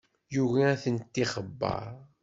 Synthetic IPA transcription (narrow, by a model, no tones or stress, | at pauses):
juʝaæθənt̪ːiχəbːɑ̰ɾˤ